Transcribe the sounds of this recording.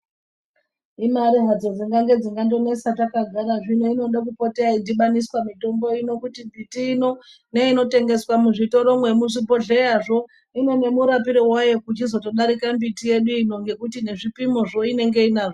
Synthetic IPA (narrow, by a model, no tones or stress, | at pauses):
imaɾiɦad͡zo̞d͡ziŋɡaŋɡe̞d͡ziŋɡando̞ne̞satakaɡʱaɾaʐinoino̞ɗakupoteaidiɓaniswamito̞mbo̞ino̞kutimbitiːno̞ | ne̞ino̞te̞ŋɡe̞swamuʐito̞ɾo̞mwe̞muʐibʱo̞ɮejaʐo̞ | ine̞ne̞muɾapiɾiwajokut͡ʃizo̞to̞ɗaɾikambitije̞ɗuino̞ŋɡe̞kutine̞ʐipimoʐo̞ine̞ŋɡe̞inaːʐo